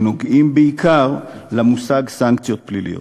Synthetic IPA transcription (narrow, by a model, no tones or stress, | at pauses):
nuɡimbiikʰalamusaɡsaŋkt̪jɔt̪̚plilḭ